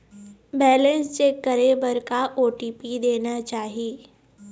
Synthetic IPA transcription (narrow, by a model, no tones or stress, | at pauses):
bɛːlə̃nst͡ʃekːɐɾebəɾkaʔoːʈiːpid̪eːnat͡ʃaːɦieː